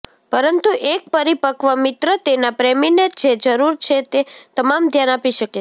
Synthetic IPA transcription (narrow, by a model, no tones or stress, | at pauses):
pəɾənt̪uʔek̚pəɾipəkʋəmɪt̪ɾət̪enapɾeminet̪d͡ʒed͡ʒəɾuɾt͡ʃʰet̪et̪əmamd̪ʱjanapiʃəke